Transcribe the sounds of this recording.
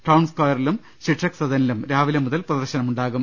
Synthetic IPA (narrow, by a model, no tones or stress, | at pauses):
ʈɐwnskɐjɐrilum | ɕiʈrɐksɐðɐnilumɾaːʋilɐmuðɐlprɐðɐrɕɐnɐmuɳɖaːɣum